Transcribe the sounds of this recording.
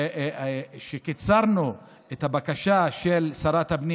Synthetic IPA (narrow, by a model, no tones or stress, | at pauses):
ʃekit͡saɾnu | et̪abakaʃaʃelsaɾat̪habni